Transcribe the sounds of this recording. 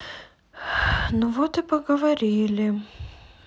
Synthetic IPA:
nuvot̪ɨpəɡəvɐɾʲilʲɪ

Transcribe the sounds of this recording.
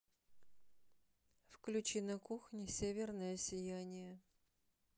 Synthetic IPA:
fklʲʉt͡ɕinɐkuxnʲɪsʲevʲɪrnəjəsʲɪjænʲɪjə

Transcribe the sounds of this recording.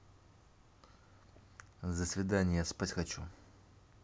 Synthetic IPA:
zəsvʲɪd̪anʲɪjaspatʲxɐt͡ɕu

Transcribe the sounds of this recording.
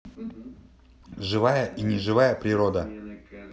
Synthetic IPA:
ʐɨvajəʔinʲɪʐɨvajəpɾʲɪɾod̪ə

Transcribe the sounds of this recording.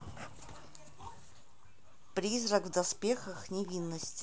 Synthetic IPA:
pɾʲizɾəɡvd̪ɐspʲexəxnʲɪvʲinːəsʲtʲ

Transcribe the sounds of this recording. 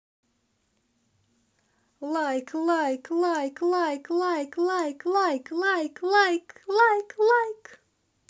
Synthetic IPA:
lˠajklajklajklajklˠajklˠajklajklajklˠajklˠajklajk

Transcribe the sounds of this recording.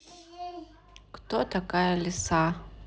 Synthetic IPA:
kt̪oʔt̪akajalɪsa

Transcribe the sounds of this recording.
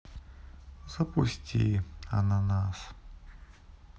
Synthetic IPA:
z̥ɐpusʲtʲiɐ̰nanas

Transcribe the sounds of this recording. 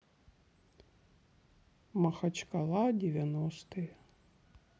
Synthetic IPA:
mɐxɐt͡ʃkɐlˠadʲɪvʲɐnɔst̪ɨj

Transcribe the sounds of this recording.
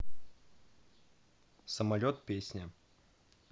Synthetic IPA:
səmɐlʲot̪̚pʲesʲnʲə

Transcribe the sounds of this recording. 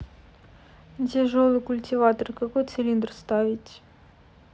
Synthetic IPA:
tʲɪʐolˠɨkʊlʲtʲivat̪ərkakojt̪sʲɪlʲind̪rst̪avʲɪtʲ

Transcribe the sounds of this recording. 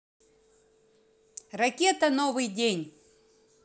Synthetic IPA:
rɐkʲet̪ənovɨjdʲenʲ

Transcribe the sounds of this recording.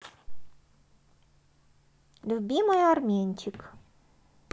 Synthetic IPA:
lʲubʲiməjarmʲenʲt͡ɕɪk

